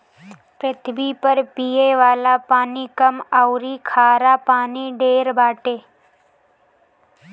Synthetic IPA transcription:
pɾɪt̪ʰbipəɾpijeʋaːlapaːnikəmawɾikʰaːɾapaːniɖeːɾbaːʈeː

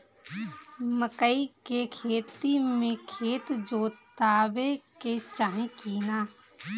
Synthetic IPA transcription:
məkəikekʰeːt̪imẽkʰeːt̪d͡ʒoːt̪aːbeket͡ʃaːɦẽkiːnaː

